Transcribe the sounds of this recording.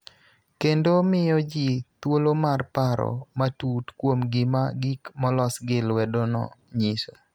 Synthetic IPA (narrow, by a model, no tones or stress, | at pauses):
kendomɪjɔd͡ʒit̪wolomarpaɾɔ̰matutkwomɡɪma̰ɡikmɔlɔsɡɪlwɛdɔnɔ̰ɲɪse